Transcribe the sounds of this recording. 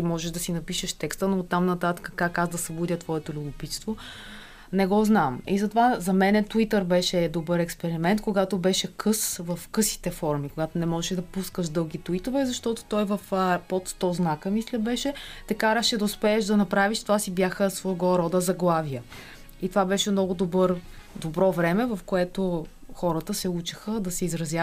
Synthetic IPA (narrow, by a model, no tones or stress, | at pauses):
t̪imɔʒɛʒd̪ɐsinɐpiʃəʃt̪ɛkst̪ənot̪ːamnɐt̪at̪ə̥kə̥kakazd̪ɐsɐbud̪ʲət̪vɔɛt̪ʊlʲubʊpit̪st̪vo | nɛɡɔznamizɐt̪ovazɐmɛnɛt̪uit̪əɾbɛʃɛd̪obəɾɛkspɛɾimɛnt̪̚koɡat̪obɛʃɛkʰɤsvɐfkɤsi̥t̪ɛfɔɾmikoɡat̪onɛmɔʒɛʃɛd̪ɐpuskəʃd̪ɤlˠɡit̪uit̪ovɛzɐʃt̪ɔt̪o̥t̪ɔjvɐfpot̪st̪ɔznakəmislʲəbɛʃɛt̪ɛkaɾəʃɛd̪ɐʊspɛːʃd̪ɐnɐpɾaviʃt̪ovasibjaxəsvɔɡɔɾɔd̪əzɐɡlˠavijə | it̪ovabɛʃɛmnɔɡʊd̪obɤɾd̪obɾɔvɾɛmɛvɐfkoɛt̪o | xɔɾət̪əsɛut͡ʃi̥xəd̪ɐsɛizɾɐzʲja